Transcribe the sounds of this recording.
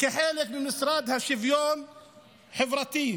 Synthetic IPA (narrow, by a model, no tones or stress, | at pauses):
kaħaːlɪfmɪnmɪsɾˤɑːd̪haʃɪvjoːn | ħɪvɾˤɑt̪iː